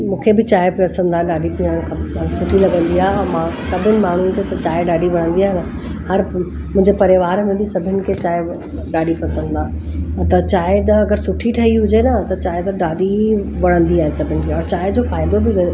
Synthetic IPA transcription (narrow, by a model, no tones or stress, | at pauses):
mũːkʰebɪt͡ɕaːɦepɐsə̃n̆d̪aːɗaːɖip̪ĩə̃ɪkʰãsʊʈʰilɐɠə̃nd̪iaːɦeɔːɾmãːsɐbʱɪnɪ̆maːɳ̤unkʰesɐt͡ɕaːeɗaːɖiʋɐɽ̤̃ə̃nd̪iaːɦenə | hɐɾ | mʊ̃ɦɪ̃ɲd͡ʑepɐɾeʋaːɾmẽb̪isɐbʱɪnɪ̆kʰet͡ɕaːe | ɗaːɖipɐsə̃nd̪aːɦ | t̪ɐt͡ɕaːɦeɗɐɡəɾsʊʈʰiʈʰɐɦiɦʊd͡ʑenɐt̪ɐt͡ɕaːɦet̪ɐɗaːɗiʋɐɽ̤̃ə̃nd̪iaːɦesɐbʱɪnɪ̆kʰeɔːɾt͡ɕaːɦed͡ʑofaːɪd̪obɪʋe